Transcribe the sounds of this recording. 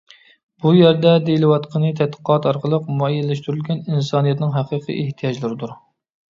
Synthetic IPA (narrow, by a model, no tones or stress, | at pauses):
b̥ujæɾd̪ɛd̪ejilɨwɑt̪qʰənɨt̪ʰɛt̪̚qʰə̥qʰɑt̪ɑɾqəlˠəqmuɑjɛlːɛʃt̪yɾylɡʲɛninsɑnijɛt̪nɪŋɦæqiːqʰḭʔeht̪ʰijɑd͡ʒlˠɨɾɪd̪uɾ